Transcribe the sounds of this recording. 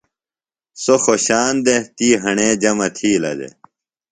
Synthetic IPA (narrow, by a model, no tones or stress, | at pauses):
soxoɕaːnd̪et̪iːɦɐɳeːd͡ʑɐmɐt̪ʰiːlɐ̰d̪ḛ